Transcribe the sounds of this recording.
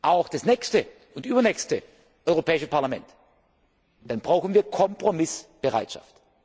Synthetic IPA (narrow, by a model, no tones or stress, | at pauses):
ʔaʊxd̥asnɛçstə | ʊntʔyːbɐnɛːçstə | ʔɔʏʁopʰɛːɪʃəpʰaɐlamɛnt | d̥anbʁaʊxn̩viːɐkʰɔmpʁ̥omɪsb̥əʁa̰ɪtʃa̰ft